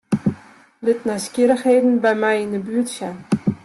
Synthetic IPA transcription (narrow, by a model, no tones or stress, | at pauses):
lɪtnajskiɾəxheːdn̩bɛjmɛjɪndəbyətsjɛn